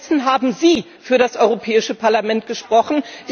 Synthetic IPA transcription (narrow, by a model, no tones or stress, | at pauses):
sn̩ɦaːbm̩ziː | fyːɐɾasʔɔʏʁopʰɛːɪʃəpʰaɐlamɛnt̚ɡ̥əʃpʁ̥ɔχn̩d̥